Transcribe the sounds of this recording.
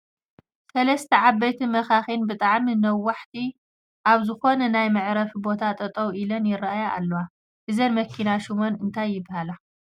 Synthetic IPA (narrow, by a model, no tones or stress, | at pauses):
sɐlɐst̪ʰɐʕaβːɐjt̪ʰimɐxaxinbɨt̪ʼaʕminɐwːaħt̪ʰi | ʔaβzɨxo̞nɐnajmɨʕɾɐfbo̞t̪ʰat̪ʼɐt̪ʼɐwʔilɐnjɪraajaʔːlːowa | hɨzɐnmɐkʰːinaʃumonɨnt̪ʰajːɪbːhala